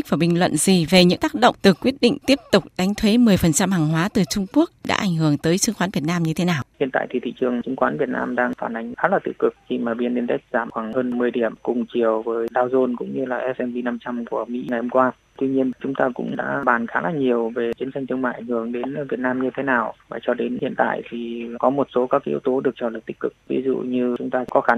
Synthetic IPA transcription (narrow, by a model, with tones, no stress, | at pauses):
k̚vaː˨˩ɓï˨˩ŋ̟lwə̰˧˨nzi˨˩ve˨˩ɲɨ̰˧˥ŋt̪aː˦˥k̚ɗə̰˧˨wŋ͡mt̪ɨ˨˩kːwi˦˥ət̚ɗḭ˧˨ŋ̟t̪i˦˥əp̚t̪ʊ˨˩k͡p̚ɗa˨˦jŋ̟t̪ʰwe˨˦mɨ˨˩əjfə˨˩nt͡ɕa˧mhaː˨˩ŋɦwaː˨˦t̪ɨ˨˩t͡ɕʊ˧ŋ͡mku˦˥ək̚ɗa̰ː˧˥ʔa˧˩jŋ̟ɦɨ˧˩əŋt̪əː˨˦jt͡ɕɨ˨˧əŋxwaː˨˦nvi˨˩ət̚naː˧mɲɨ˧t̪ʰe˨˦naː˨˩whi˧˨ənt̪a̰ː˧˨jt̪ʰi˨˩t̪ʰḭ˧˨t͡ɕɨ˨˩əŋt͡ɕɨ˨˧˦ŋkwaː˨˦nvi˨˩ət̚na̰ː˧mɗaː˧ŋfaː˧˩nʔa˨˩jŋ̟xaː˨˦laː˨˩t̪ɨ̰˧˩kɨ˨˩k̚t͡ɕi˧˩maː˨˩ɓi˧nɗi˧ənt̪a˦˥k̟̚zaː˧˩mxwaː˧˩ŋhəː˧nmɨ˧˩əjɗi˧˩əmkʊ˨˩ŋ͡mt͡ɕi˨˩əwvəː˨˦jɗaː˧wzo˧nkʊ̰˧˥ŋ͡mɲɨ˧laː˨˩ʔɛ˦˥sʔɛ˧nvi˧na˧mt͡ɕa˧mku˧˩əmḭ˧˥ŋa˨˩jho˧ŋ͡mkwaː˧ | t̪wi˧ɲi˧ənt͡ɕʊ˨˦ŋ͡mt̪aː˧kʊ̰˧˥ŋ͡mɗa̰ː˧˥ɓaː˨˩nxaː˨˦laː˨˩ɲi˨˩əwve˨˩t͡ɕi˨˦ənt͡ɕa˧jŋ̟t̪ʰɨ˧əma̰ː˧˨jʔa˨˩ŋ̟hɨ˧˩əŋɗe˨˦nvi˨˩ət̚naː˧mɲɨ˧t̪ʰe˨˦naː˨˩wvaː˨˩t͡ɕɔ˧ɗe˨˦nhḭ˧˨ənt̪a̰ː˧˨jt̪ʰi˨˩kɔ˨˦mo˨˩t̚so˨˦kaː˦˥k̚ʔḭ˧˦əwt̪o˨˦ɗɨ˨˩ək̚t͡ɕɔː˧˩ləː˨˩t̪̚i̟˦˥kɨ˨˩k̚vḭ˨˦zṵ˧˨ɲɨ˧t͡ɕʊ˨˦ŋ͡mt̪aː˧kɔ˨˦xa˨˦n